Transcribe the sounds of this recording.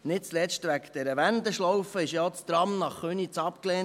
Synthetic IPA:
nɪt̚t͡slɛt͡ʃtʋækd̥̪ɛɾəʋænd̪əʃlɔwfəɪʃjɑt͡st̪ɾɑmnɑχχønit͡sɑpkleː

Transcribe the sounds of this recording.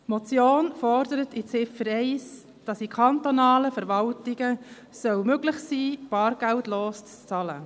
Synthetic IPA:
mot͡sjoːnfɔrdəɾətit͡sɪfəɾɛɪs | d̥ɑsikʰɑntonɑːləfəɾʋɑltɪɡə | sœwmøɡlɪχsiːb̥ɑːɾɡ̥æltloːst͡st͡sɑlə̰

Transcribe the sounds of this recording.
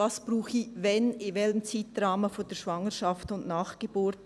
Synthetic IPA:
ɑsb̥ruːχivɛnɪvɛləmt͡siːt̚draːməfoːd̥eːʃvɑŋəʃɑftʊnʔnaːχɡ̥ebuːɾt

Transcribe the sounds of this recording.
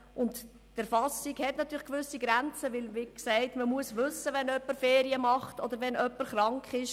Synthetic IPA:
ʔʊnt | d̥əɾfɑsiɡhɛtnɑt̪ʰːyːɾləχkʋʏsiɡɾænt͡səʋɪlʋɪksɛɪtməmuəsʋʏsːəʋɛnœpːəɾfeːɾiəmɑχtɔd̪əɾʋɛnʔœpːəɾχɾɑŋkχɪʃ

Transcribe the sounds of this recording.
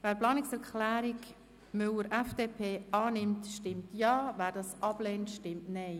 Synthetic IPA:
væːɾplɑːnɪksɛɾkʰlæːɾɪk | mʏləɾʔɛfd̥eːpʰeːʔɑːnɪmtʃtɪmtjɑːvæːɾdɑsʔɑb̥leːntʃtɪmtnɛɪ

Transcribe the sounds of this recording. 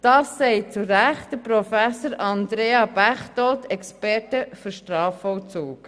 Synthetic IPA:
d̥ɑːsːɛɪt͡suɾæχtd̥əpɾɔfæsəɾɑnd̪ɾeːɑb̥æχtɔltʰɛkspɛɾtəfyɾʃtɾɑːfɔlt͡suːk

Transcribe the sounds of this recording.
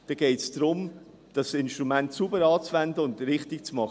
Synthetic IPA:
d̥ɑɡ̥ɛɪtsd̥ɾʊm | d̥ɑsɪnʃtɾumɛntsubəɾɑːt͡svɛndəʊndɾɪχtɪk̚t͡smɑχ

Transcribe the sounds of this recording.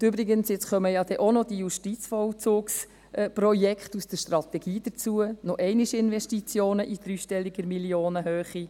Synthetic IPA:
ybɾiɡənsɪt͡sχœməjɑdɛʔonɔd̥ijuʃtit͡sfɔwt͡suːks | prɔjɛkχtusd̥əɾʃtrɑt̪ɛɡ̥iːdət͡suənɔʔɛɪniʃɪnʋɛʃtit͡sjoːnəʔid̥̪ɾyːʃtɛlːiɡəɾmiljoːnəɦøːχi

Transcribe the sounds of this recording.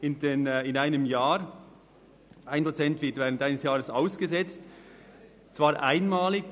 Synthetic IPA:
ɪndenɪnaɪnəmjaːɾ | ʔaɪnpʰʁot͡sɛntvɪɐtv̥ɛːʁəntaɪnəsjaːʁəsaʊsɡ̥əzɛt͡st | t͡svaːɾʔaɪnmaːlɪɡ

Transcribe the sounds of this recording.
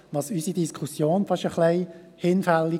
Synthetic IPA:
ʋɑsysidiskʰusjoːnfɑʃəχlɛɪ | hɪnfɛlːi

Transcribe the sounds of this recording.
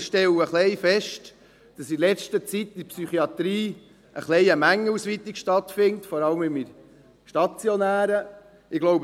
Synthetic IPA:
ʃtɛləχlɛɪfɛʃt | d̥ɑsilɛt͡ʃtət͡sitːɪpsyχiɑt̪ɾiː | ə̰χlɛɪəmæŋːəusʋit̪ikʃtɑtfɪntfɔɾɑləmɪmiɾ | ʃtɑt͡sjonæːɾə | ɪɡ̥loʊb

